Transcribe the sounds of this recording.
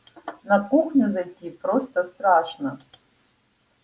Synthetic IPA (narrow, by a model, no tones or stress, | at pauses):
nɐkuxnʲuzɐtʲipɾost̪ɐst̪ɾaʂnɐ